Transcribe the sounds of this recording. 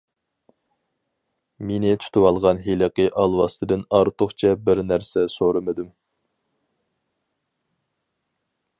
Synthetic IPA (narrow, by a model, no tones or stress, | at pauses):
menɪt̪ʰy̥t̪ʰɪwɑlˠʁɑnɦeləqəʔɑlˠwɑst̪ʰɨd̪ɨnɑɾt̪ʰʊχt͡ʃʰɛbɪɾnæɾsɛsoɾɨmɨd̪ɪm